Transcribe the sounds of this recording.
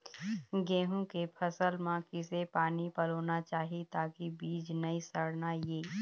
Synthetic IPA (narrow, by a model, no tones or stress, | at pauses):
ɡɛ̃ːɦũkepʰɐsəlmãkɪsepaːnipɐloːnat͡ʃaːɦit̪aːkibiːd͡ʒnɐisəɽnajeː